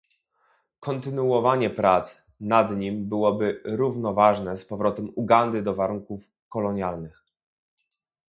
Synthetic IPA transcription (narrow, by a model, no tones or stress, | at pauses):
kɔnt̪ɘnuɔvaɲɛpɾat̪s | nad̪ɲimbɘwɔbɘɾuvnɔvaʐnɛspɔvɾɔt̪ɛmuɡand̪ɘd̪ɔvaɾuŋkuf | kɔlɔɲjalnɘx